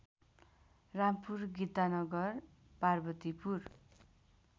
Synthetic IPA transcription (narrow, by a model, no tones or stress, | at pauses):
rampurɡit̪anʌɡʌr | parbʌt̪ipur